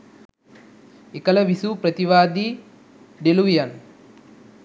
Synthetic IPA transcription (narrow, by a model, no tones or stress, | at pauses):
ekɐlɐʋisupɾɐt̪iʋaːd̪i | ɖeluijɐn